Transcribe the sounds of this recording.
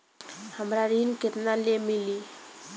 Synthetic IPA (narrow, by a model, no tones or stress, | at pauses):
həmɾaɾinket̪nalemili